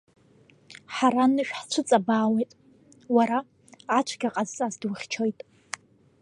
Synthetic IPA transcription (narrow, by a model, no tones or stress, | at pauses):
ħaɾanɨʃᶣħt͡ʃʷʰɨt͡sʼabaːwejtʼ | waɾaː | t͡ʃʷʰɡʲaqʼazazdwʊχʲt͡ʃʰojtʼ